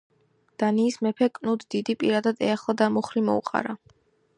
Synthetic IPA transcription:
d̪̥aniːsmɛpʰɛkʼnud̪d̪id̪ipʼiɾad̪ad̪ɛaχlˠad̪amuχɾimɔ̰uqʼa̰ɾa

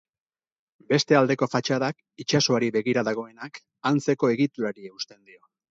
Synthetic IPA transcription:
be̞st̪e̞ald̪e̞ko̞fat͡ʃaðak | it͡ʃaso̞aɾiβe̞ɣiɾaðaɣ̞o̞e̞nak | ant͡se̞ko̞e̞ɣ̞it̪uɾaɾieust̪e̞nd̪io̞

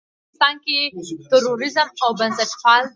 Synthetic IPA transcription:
t̪ɑnket̪ʊɾoɾɪzəmawbansəʈpɑl

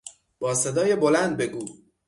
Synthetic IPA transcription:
b̥ɒːsed̪ɒːjebolænd̪̚be̞ɡuː

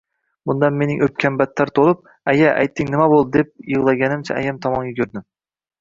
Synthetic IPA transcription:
bʊnd̪anme̞nɪŋɵp̚kʲʰambat̪ʰːaɾt̪ʰolˠɪp̚ | ajaʔa̰jt̪ʰːɪŋnɪmabolˠd̪ɪd̪ep̚jɨʁlˠaɡʲanɪmt͡ʃʰa̰ʔa̰jamt̪ʰɒmɒŋɡʲakʲʰɵɾd̪ɪm

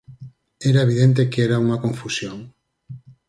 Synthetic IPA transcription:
eɾaeβ̞iðẽnt̪̬ekeɾauŋakõɱfusjoŋ

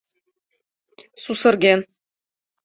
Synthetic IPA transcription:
susɤ̆ɾɡen

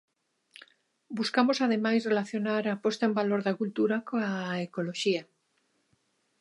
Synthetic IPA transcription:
buskamosaðemajsrelaθjonaɾapɔst̪aembaloɾðakult̪uɾakoaekoloʃia

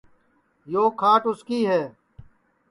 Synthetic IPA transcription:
joːkʰaːʈʊskiːɦɛː

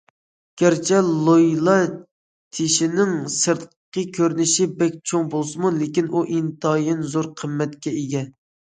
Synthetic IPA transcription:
ɡ̥ʲæɾt͡ʃʰɛlˠojlˠɑ | t̪ʰeʃinɪŋsɨɾt̪ | qəkʲʰøɾnɪʃɪbɛk̚ʲt͡ʃʰoŋbolˠsɨmulekʲinʔuʔint̪ʰɑjɪnzoɾqʰəmːɛt̪kʲɛeɡʲɛ

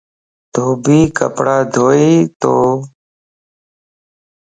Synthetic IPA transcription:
d̪̥ʱoːbʱiːkə̰pɽaːd̪ʱoːiːt̪oː

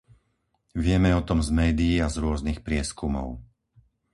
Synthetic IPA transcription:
ʋɪɛmɛɔt̪ɔmzmɛːd̪ijiazɾʊɔznixpɾɪɛskumɔ̰ʊ

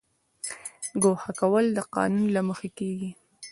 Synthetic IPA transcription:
ɡohakawəld̪əqɑ̰nunlaməxakeɡi

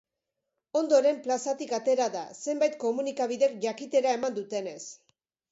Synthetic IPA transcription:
o̞nd̪o̞ɾe̞mplasat̪ikat̪e̞ɾaða̰se̞mbajt̪̚ko̞munikaβ̞iðe̞kʝakit̪e̞ɾae̞mand̪ut̪e̞ne̞s

